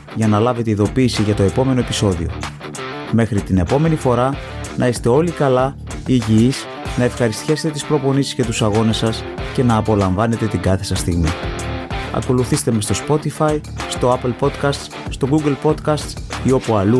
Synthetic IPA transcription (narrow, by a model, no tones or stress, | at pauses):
ʝɐnɐlɐve̞t̪e̞iðo̞piːsiʝɐt̪o̞e̞po̞me̞no̞e̞piso̞ðḭo̞̰ | me̞xɾit̪ine̞po̞me̞nifo̞ɾɐ | nɐist̪e̞o̞likɐlɐ | iʝiis | nɐe̞fxɐɾist̪çɐse̞t̪et̪ispɾo̞po̞nisi̥sce̞t̪usɐɣo̞ne̞sɐsce̞nɐːpo̞lɐɱvɐne̞t̪e̞t̪iɡɐθe̞sɐst̪iɣmi | ɐ̰ko̞luθist̪e̞me̞st̪o̞spo̞t̪ifɐi | st̪o̞ɐpelpo̞t̪kɐst̪s | st̪o̞ɡuɡelpo̞t̪kɐst̪sio̞puɐlu